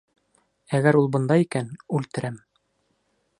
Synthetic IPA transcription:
æɡæɾulˠbɤ̆nd̪ɑikænʉlt̪ɘ̆ɾæm

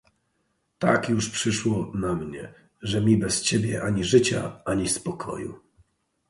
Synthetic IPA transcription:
t̪a̰kjuʂpʂɘʂwɔnamɲɛ | ʐɛmʲibɛst͡ɕebʲjɛʔaɲiʐɘt͡ɕa̰aɲispɔkʰɔ̰jṵ

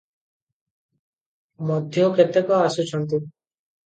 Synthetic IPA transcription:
mɔd̪ʱjɔket̪ekɔasut͡ʃʰɔnt̪̬i

